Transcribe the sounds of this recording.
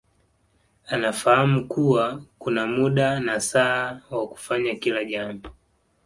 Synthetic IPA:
anafahamukuwakunamuɗanasaːwaku̥faɲakilaʄambɔ

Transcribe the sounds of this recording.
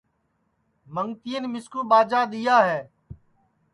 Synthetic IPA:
məŋt̪ijənːmɪskuːɓaːd͡ʒaːɗ̪ijaːɦɛː

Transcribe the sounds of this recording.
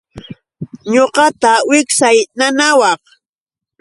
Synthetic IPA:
ɲoqɑt̪awɪksajnanawɑχ

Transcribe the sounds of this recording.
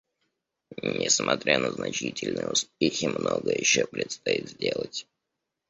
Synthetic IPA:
nʲɪsmʔɐt̪ɾʲʔanəznɐt͡ɕitʲɪlʲnəjʊspʲexʲɪmnoɡəjɪɕːopɾʲɪt̪st̪ɐit̪zʲdʲelˠətʲ

